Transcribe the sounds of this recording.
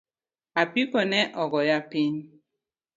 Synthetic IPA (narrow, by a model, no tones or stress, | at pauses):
apikɔnɛʔɔɣɔjapin